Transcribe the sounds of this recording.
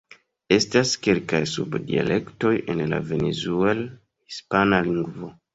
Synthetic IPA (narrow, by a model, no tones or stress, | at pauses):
e̞staske̞lkajsubdia̰lʔe̞kto̞je̞nla̰ve̞ne̞zuel | hispanaliŋɡvo̞